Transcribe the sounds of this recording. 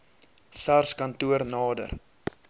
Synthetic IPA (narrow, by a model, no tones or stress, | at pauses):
sarskɐntuərnɑːdə̰r